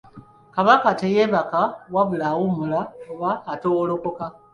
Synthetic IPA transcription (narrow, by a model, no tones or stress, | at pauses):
kaβakatejeβakawaβulaɣumulaoβaːtolokoka